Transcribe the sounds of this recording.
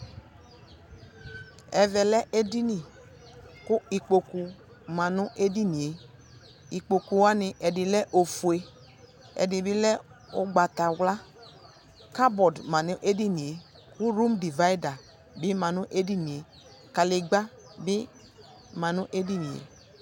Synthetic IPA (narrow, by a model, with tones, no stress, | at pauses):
ɛ˨vɛ˨lɛ˦ʔe˦di˦ni˨ | kʊ˦i˨k͡po˨ku˨ | mã˨nʊ˦ʔe˦di˦ni˨e˨ | i˨k͡po˨ku˨wa˦nɪ˨ʔɛ˨dɪ˨lɛ˦ʔo˨fu˨e˨ | ɛ̰˨dɪ˨bɪ˦lɛ˦ʊ˦ɡ͡ba˨ta˨wla˦ | ka˦bɔ˨dmã˨nʊ˦ʔe˦di˦ni˨e˨ | ku˦ɾu˦mdi˨va˦i˦da˨ | bɪ˦mã˨nʊ˦ʔe˦di˦ni˨e˨ | ka˨lɪ˨ɡ͡ba˦ | bɪ˦ | mã˨nʊ˦ʔe˦di˦nĩ˨ḛ˨